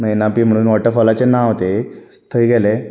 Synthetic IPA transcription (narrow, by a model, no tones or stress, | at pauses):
menapiːm̤əɽ̃uːnʋɔʈəfɔlat͡ɕenãɦot̪ek | t̪ʰəiɡɛle